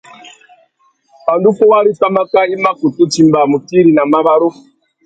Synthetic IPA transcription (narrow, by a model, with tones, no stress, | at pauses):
ba˨ndu˦kɔ˦wa˦ɾi˦ta˦ma˦ka˦i˦ma˦ku˨tu˦t͡ʃi˦mba˨mu˨ti˦ɾi˨na˨ma˦βa˦ɾu˦˨